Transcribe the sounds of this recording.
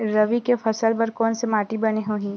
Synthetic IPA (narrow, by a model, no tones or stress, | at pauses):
ɾɐʋikefʰɐsəlpɐɾkɔːnsemaːʈibɐneɦoːɦĩː